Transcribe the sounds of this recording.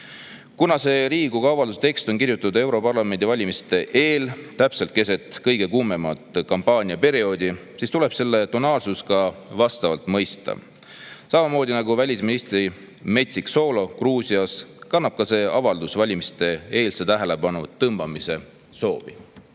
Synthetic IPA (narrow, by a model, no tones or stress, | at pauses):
kunɑse̞ːɾiːɡukɑɑvɑld̪us̬t̪e̞kst̪o̞nkirjut̪ːˑud̪e̞wɾo̞pɑrlɑme̞nd̪̥ivɑlʲimist̪e̞ʔe̞ːlt̪æpse̞lt̪̚ke̞s̬e̞t̪ˑkɤ̞jɡ̥e̞kume̞mɑt̪ˑkɑmpɑːnʲiɑpe̞ɾio̞ːd̪̥i | sist̪ule̞b̥se̞lːe̞t̪onɑːlsuskɑvɑst̪ɑvɑlt̪ˑmɤ̞jst̪ɑ̰ | sɑmɑmo̞ːd̪ʲinɑɡuvælʲisminist̪ri | me̞t̪ʲsikso̞lo̞kruːsiɑskɑnːɑb̥̚kɑse̞ːɑvɑld̪usvɑlʲimist̪e̞e̞ːlset̪æɦele̞bɑnut̪ɤmb̥ɑmise̞ | so̞ːvi